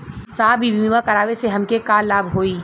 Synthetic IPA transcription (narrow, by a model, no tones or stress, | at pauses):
saːbʱibiːmãkɐɾaːʋeseɦɐmkekaːlːaːbɦoːiː